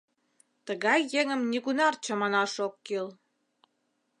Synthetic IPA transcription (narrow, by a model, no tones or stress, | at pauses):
t̪əɣɑjːeŋə̆mnʲiɣunɑrt͡ɕə̆mɑnɑʃokːil